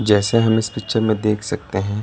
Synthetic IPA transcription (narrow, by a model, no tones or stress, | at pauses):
d͡ʒɛːseɦɐmɪspɪkt͡ʃəɾmẽd̪eːkʰsɐk̚t̪eɦɛ̃